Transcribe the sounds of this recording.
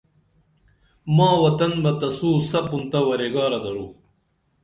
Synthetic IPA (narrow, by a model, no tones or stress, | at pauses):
maːwɐt̪ɐnbɐt̪ɐsuːsɐpunt̪ɐwɐɾeːɡɑːɾɐd̪ɐɾuː